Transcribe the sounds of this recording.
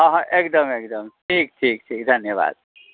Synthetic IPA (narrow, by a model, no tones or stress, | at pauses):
ʌɦʌ̃ʔekd̪ʌmek̚d̪əmʈʰik̚ʈʰik̚ʈʰikd̪ʱɐnjəba̰ːd̪̚